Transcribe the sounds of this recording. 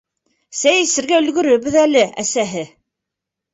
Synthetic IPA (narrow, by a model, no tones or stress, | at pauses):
sæjɘsɘ̆ɾɡæɵ̆lɡɵ̆ɾɵ̆βɘðælɘæ̰sæɦɘ